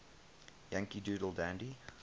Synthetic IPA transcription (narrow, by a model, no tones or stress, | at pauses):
jæ̃ŋkiduːdl̩ˠdæ̃ndi